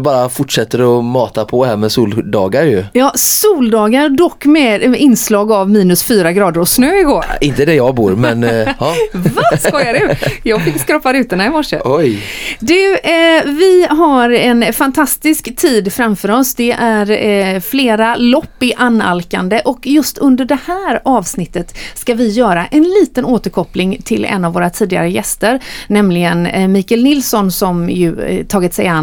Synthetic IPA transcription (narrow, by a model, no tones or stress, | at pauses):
bɑːɾafʊʈʂɛt̪ːəɾɔmɑːt̪apʰɔhæmɛsuːld̪ɑ̰ːɡaɾjɵjɑːsuːld̪ɑːɡaɾɖ̪ɔkːmɛɪnslɑːɡavmiːnɵsfyːɾaɡɾɑːd̪əɾɔsnøːɪɡoːɾɪnt̪əd̪ɛjɑːɡbṵːɾmɛn | vaskɑːjad̪ɛjɑːɡfɪkːskɾɔfaɾʉ̟ːt̪ənaɪmɔʂːə̰ɔjd̪ʉ | vɪɦaɾɛnfant̪ʰast̪ɪskt̪ʰiːd̪fɾamfœːɾɔsd̪ɛʔæɾfleːɾalɔpːɪʔanːa̰lka̰nd̪əʔɔkjɵst̪ɵnd̪əɖɛhæːɾɑːvsnɪt̪ːət̪skavɪjœːɾaʔɛnliːt̪ənoːt̪əɾkʰɔplɪŋt̪ʰɪlɛ̰nːavoːɾat̪ʰiːd̪ɪɡa̰ɾəjɛst̪əɾnɛmlɪɡənmiːkɛlnɪlsɔnsɔmjɵ̰t̪ʰɑːɡɪt̪sɛjan